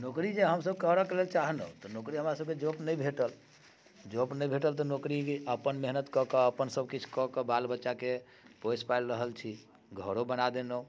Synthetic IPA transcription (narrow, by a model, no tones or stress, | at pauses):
nokɾid͡ʒeɦəmsəb̚kəɦɾakelelt͡ʃaɦnə̰t̪ɔnokɾiɦəmɾasəbked͡ʒopnəjbʱeʈəl | d͡ʒopnəjbʱeʈəlt̪ɔnokɾiəpənmeɦnət̪kɔkəəpənsəbʱkit͡ʃʰkɔkəbalbətːʃake | pojspajlɾəɦəlt͡ʃʰi | ɡʱəɾobənad̪enə